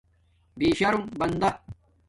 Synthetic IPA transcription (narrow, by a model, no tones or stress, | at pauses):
biːɕɐɾumbɐnd̪ɐ